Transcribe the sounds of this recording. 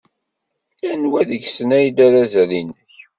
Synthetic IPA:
lænwæðəʝsənæjd̪aɾazælinːəç

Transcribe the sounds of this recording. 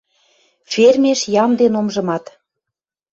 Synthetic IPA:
fʲermeʃjɑmd̪enomʒɤ̆mɑt̪

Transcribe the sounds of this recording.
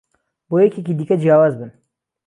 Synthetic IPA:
boːjɛcekiːd̪iːkɐd͡ʒjaːwaːzbɨn

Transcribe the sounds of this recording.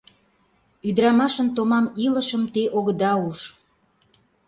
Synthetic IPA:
yd̪əɾɑmɑʃə̆nt̪omɑmilə̆ʃəmt̪eʔoɣəd̪ɑuʃ

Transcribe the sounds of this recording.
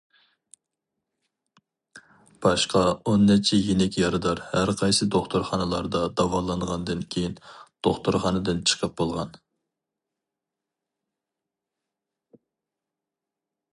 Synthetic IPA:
b̥ɑʃqɑonːɛt͡ʃʰɛjenɛkʲjɑɾɨd̪ɑɾhæɾqʰɑjsɨd̪oχt̪ʊɾχɑnɨlˠɑɾd̪ɑd̪ɑwɑlˠɑnʁɑnd̪ɨnkʲʰejind̪̥oχt̪uɾχɑnɨd̪ɨnt͡ʃʰə̥qʰəp̚b̥olˠʁɑn

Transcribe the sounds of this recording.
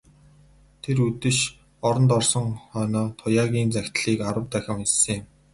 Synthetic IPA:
t̪ʰeɾut̪ɘ̆ʃ | ɔɾɞ̆nt̪ɔrsɞ̆ŋχœːnɔːt̪ʰʊjaːɣʲiːnt͡sæxʲt̪ɮiːkaɾə̆wt̪æxʲɪ̆misɘ̆ŋɪ̆m

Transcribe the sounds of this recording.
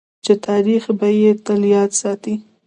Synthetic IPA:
t͡ʃet̪ɑɾixbajet̪əljɑt̪sɑt̪i

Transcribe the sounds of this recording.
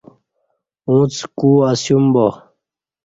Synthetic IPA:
ũːt͡skuːasjumbo

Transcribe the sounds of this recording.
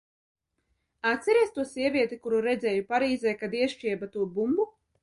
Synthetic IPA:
at̪sʲɛɾiɛst̪uɔsiɛvʲiɛt̪ikuɾuɾɛd̪zɛːjupaɾiːzɛːkad̪iɛʃt͡ʃʲiɛbat̪uːbumbu

